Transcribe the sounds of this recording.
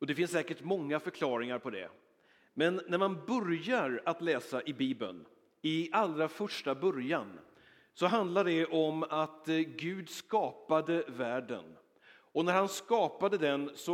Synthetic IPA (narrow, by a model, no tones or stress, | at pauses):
ɔd̪ɛfɪnsːɛːkəʈmɔŋːafœɾkʰlɑːɾɪŋaɾpʰɔd̪ɛ̰ | mɛnːæɾmanbœɾjaɾat̪lɛːsaʔɪbiːbə̰n | ɪalɾafœʂʈabœɾjan | sɔɦand̪laɖɛʔɔmat̪ɡʉ̟ːd̪skɑːpad̪əvæːɖə̰n | ɔnæɾhanskɑːpad̪əd̪ɛnsɔ